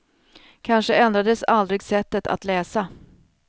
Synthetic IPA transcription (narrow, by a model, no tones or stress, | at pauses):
kʰanʂəɛnd̪ɾad̪əsald̪ɾɪɡsɛt̪ːət̪ʰa̰t̪lɛːsa